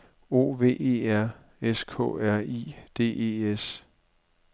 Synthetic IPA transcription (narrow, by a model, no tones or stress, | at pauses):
o̝̰ːʋe̝̰ːe̝̰ːæɐ̰ | eskʰɔ̰̽ːæɐ̰id̥e̝̰ːe̝ːes